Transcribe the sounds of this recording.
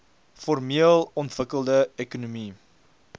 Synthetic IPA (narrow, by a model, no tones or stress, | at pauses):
fɔrmiəlˠɔntv̥əkəlˠdəekunumi